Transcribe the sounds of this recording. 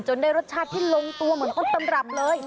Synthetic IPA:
t͡ɕo˧ndaː˥˩jɾo˦˥t̪̚t͡ɕʰaː˥˩iː˥˩lo˧ŋt̪u˧ɐmɯ˩˦ənk̪ɔ˥˩t̪a˧mɾa˨˩p̚lɤː˧j

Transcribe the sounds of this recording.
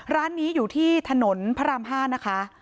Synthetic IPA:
ɾaː˦˥nːiː˦˥juː˨˩t̪ʰiː˥˩t̪ʰa˧no˩˦npʰa˦˥ɾa˧mɦaː˥˩na˦˥kʰa˦˥ʔ

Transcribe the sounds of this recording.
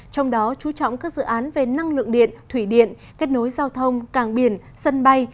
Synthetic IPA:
t͡ɕɔ˧wŋ͡mɗɔ˨˦t͡ɕu˨˦t͡ɕɔ̰˧˨wŋ͡mkaː˦˥k̚zɨ̰˧˨ʔaː˨˦nve˨˩na˧ŋlɨ̰˧˨əŋɗḭ˧˨ənt̪ʰwi˧˩ɗḭ˧˨ən | ke˦˥t̚no˨˦jzaː˧wt̪ʰə˧wŋ͡mkaː˧˩ŋɓi˧˩ən | sə˧nɓa˧j

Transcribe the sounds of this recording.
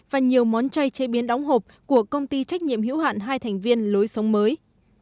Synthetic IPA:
vaː˨˩ɲi˨˩əwmɔ˨˦nt͡ɕa˧jt͡ɕe˧˦ɓi˨˦ənɗa˨˦wŋ͡mɦo˨˩p̚ku˧˩əkə˧wŋ͡mt̪i˧t͡ɕa˦˥k̚ɲḭ˧˨əmɦḭ˧˥wha̰ː˧˨nɦaː˧jt̪ʰɛ˨˩jŋ̟vi˧ənlo˨˦jsə˨˦wŋ͡mməː˨˦j

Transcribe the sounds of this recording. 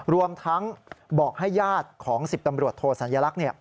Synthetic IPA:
ɾu˧əmt̪ʰa˦˥ŋbɔː˨˩k̚ha˥˩jːaː˥˩t̪̚kʰɔː˩˦ŋsi˨˩p̚t̪a˧mɾu˨˩ət̪ʰoː˧t̪̚sa˩˦njaː˧la˦˥k̚ni˥˩ɐ

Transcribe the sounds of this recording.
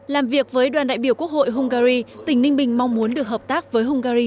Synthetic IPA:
laː˨˩mvi˨˩ək̚vəː˨˦jɗwaː˨˩nɗa̰ː˧˨jɓi˧˩əwku˦˥ək̚ho̰˧˨jɦʊ˧ŋ͡mɣaː˧ɾi˧t̪ï˧˩ŋnï˧ŋ̟ɓï˨˩ŋ̟ma˧wŋ͡mmu˨˦ənɗɨ˨˩ək̚həː˨˩p̚t̪aː˦˥k̚vəː˨˦jɦʊ˧ŋ͡mɣaː˧ɾi˧

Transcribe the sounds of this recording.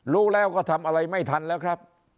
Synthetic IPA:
ɾuː˦˥lɛː˦˥˩wkɔː˥˩t̪ʰa˧mʔa˧ɾa˧jma˥˩jt̪ʰa˧nlɛː˦˥wkʰɾa˦˥p̚

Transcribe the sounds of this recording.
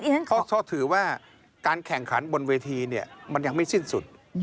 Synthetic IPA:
ɔ˥˧t̪ʰɔː˥˩t̪ʰɯː˩˦waː˥˩ | kaː˧nkʰɛ˨˩ŋkʰa˩˦nbo˧nweː˧t̪ʰiː˧ni˥˩ɐma˧nja˨ŋma˥˩jsi˥˩nsu˨˩t̪̚

